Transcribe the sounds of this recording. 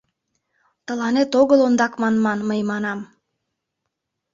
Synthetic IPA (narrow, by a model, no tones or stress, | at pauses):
t̪əlɑnet̪oɣəlond̪ɑkmɑnmɑnməjmɑnɑm